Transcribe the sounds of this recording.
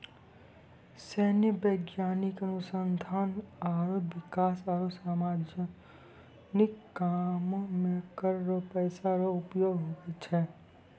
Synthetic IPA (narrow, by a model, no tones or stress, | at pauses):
sɛnebəɪɡjaːnikənʊsənd̪ʱaːnaɾobikaːsaːɾosamad͡ʒ | nikːammekəɾɾɔpəɪsaɾɔupjoɡɦoɡɛt͡ʃʰɛ